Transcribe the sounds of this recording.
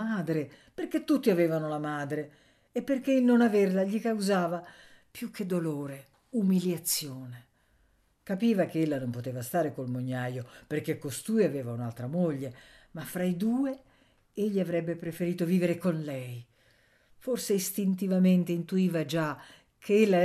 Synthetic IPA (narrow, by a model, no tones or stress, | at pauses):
aːd̪ɾe | perk̟et̪ːut̪ːiavɛːvanolamaːd̪ɾeː | pːerk̟eilnonaverlaʎikawzaːva | pjukʰːed̪ːoloːɾe | umiljat̪sːjoːne | kapiːvak̟eelːanompot̪eːvast̪aːɾekolmoɲːajoperk̟ekːost̪uːjaveːvaunalt̪ɾamoʎːe | mafːɾaid̪uːe | eʎːiavɾɛbːepɾefeɾiːt̪oviːveɾekonlɛj | forseist̪int̪̬ivament̪eint̪uiːvad͡ʒa | kʰeelːa